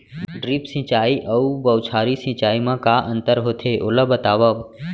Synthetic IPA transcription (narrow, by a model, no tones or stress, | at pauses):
ɖɾipsɪ̃t͡ʃaːiʔɐubɐwt͡ʃʰaːɾisɪ̃t͡ʃaːimãkaːʔə̃nt̪əɾɦoːt̪ʰeʔoləbət̪aːʋəb